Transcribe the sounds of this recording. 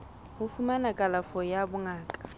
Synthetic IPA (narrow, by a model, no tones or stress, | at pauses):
hʊfumanakʼalafɔjabʊŋaːkʼḁ